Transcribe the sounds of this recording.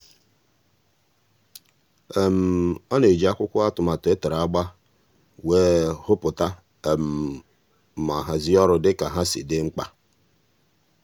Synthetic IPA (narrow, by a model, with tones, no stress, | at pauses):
e˨m̩˨ɔ˦ne˨d͡ʒi˨˦a˦kʷʊ˦kʷʊ˦a˦tʊ˨ma˨te˦te˨ɾa˨˦ɡ͡ba˦ | weː˦hʊ˦pʊ˨ta˦˨ | m̩˨ | ma˨ɦa˨zi˦ɔ˦ɾʊ˨dɪ˦ka˨ɦa˦sḭ˨dɪ˦ŋ͡m̩˦k͡pa˦